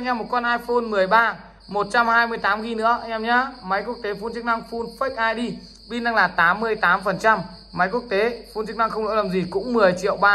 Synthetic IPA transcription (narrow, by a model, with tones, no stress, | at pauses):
ɲaː˧mo˨˩t̚kɔ˧nʔaː˧jfo˧nmɨ˨˩əjɓaː˧ | mo˨˩t̚t͡ɕa˧mhaː˧jmɨ˧˩əjt̪aː˨˦mɣi˧nɨ̰˧˥ə˧ja˧mɲaː˧ma˨˦jku˦˥ək̚t̪e˨˦fu˧nt͡ɕɨ˦˥k̚na˧ŋfu˧nfə˦˥k̚ʔaː˧jɗi˧ | ɓi˧na˧ŋlaː˨˩t̪aː˨˦mːɨ˧əjt̪aː˨˦mfə˨˩nt͡ɕa˧m | ma˨˦jku˦˥ək̚t̪e˨˦fu˧nt͡ɕɨ˦˥k̚na˧ŋxə˧wŋ͡mlo̰˧˥laː˨˩mzi˨˩kʊ̰˧˥ŋ͡mmɨ˨˩əjt͡ɕḭ˧˨əwɓaː˧